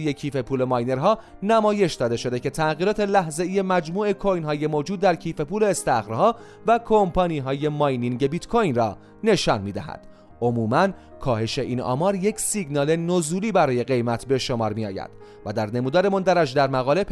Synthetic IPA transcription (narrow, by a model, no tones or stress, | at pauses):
jecʰiːfe̞pʰuːle̞mɒːjne̞ɾɦɒː | næmɒːje̞ʃd̪ɒːd̪e̞ʃo̞d̪e̞cʰe̞t̪ʰæʔɣiːɾɒːt̪e̞læhze̞iːje̞mæd͡ʒmuːe̞kʰojnɦɒːje̞mod͡ʒuːd̪̚ːæɾcʰiːfe̞puːle̞ːst̪æχɾhɒː | vækʰompʰɒːniːɦɒːje̞mɒjniŋɟe̞bit̪kʰojnrɒː | ne̞ʃɒːnmiːd̪æ̰hæ̰d̪̥ | omuːmæn | kʰɒːhe̞ʃe̞ʔiːnʔɒ̰mɒːɾjecsiɡnɒːle̞nozuːliːbæɾɒːje̞ɣe̞jmæt̪ʰbe̞ʃomɒːɾmiɒ̰ːjæ̰d̪̥ | væd̪æɾne̞muːd̪ːɾe̞mond̪æɾæʃd̪æɾmæɣɒːle̞p